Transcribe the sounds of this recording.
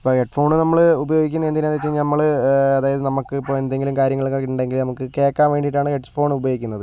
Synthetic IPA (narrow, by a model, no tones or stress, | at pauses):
ipːoːheʈːfo̞ːɳɨnɐmːɐɭubɐjo̞ːɡik̬ʲːunːɐend̪ineaːd̪et͡ɕːeɲːnɐmːɐɭɐðaːjɐðɨnɐmukːɨipːoend̪e̞ŋɡilumkaːɾjɐŋːɐɭukːokiʈːuɳɖe̞ŋɡilnɐmukːɨke̞ːkːaːnʋe̞ːɳɖiʈːaːɳɨheʈːfo̞ːɳubɐjoːɡikʲːunːɐðɨ